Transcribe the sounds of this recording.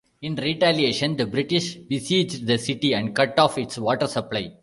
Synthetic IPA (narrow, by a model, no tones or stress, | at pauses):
ɪ̃nɾiʈælieːʃə̃nd̪ɐbɾɪʈɪʃʋɪsiːd͡ʒɖ̚d̪ɐsɪʈiɛ̃ɳɖ̚kɐʈːɔːfɪʈsʋɔːʈəɾsɐplaɪ